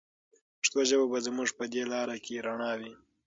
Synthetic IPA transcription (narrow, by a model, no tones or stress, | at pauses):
ʂt̪oʒababazmʊʐpəd̪elɑɾakʰeɾaɳɑwi